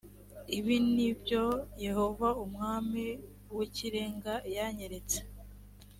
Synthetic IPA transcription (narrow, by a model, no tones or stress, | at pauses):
iβinibjo̞je̞ho̞vaumŋaːmi | wiciɾe̞ːŋɡajaɲeɾet͡se̥